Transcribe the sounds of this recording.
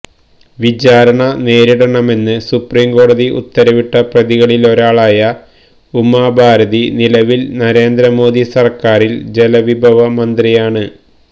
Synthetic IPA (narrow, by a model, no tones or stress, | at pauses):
ʋid͡ʑaːɾɐɳɐne̞ːɾiɽɐɳɐme̞nːɨsupriːmko̞ːɽɐðiʔṵt̪ːɐɾɐʋiʈːɐprɐðiɣɐɭilo̞ɾaːɭaːjɐ | umːaːbʱaːɾɐðinilɐʋilnɐɾe̞ːnd̪ɾɐmo̞ːd̪isɐrkaːrild͡ʑe̞lɐʋibʱɐʋɐmɐnd̪rijaːɳɨ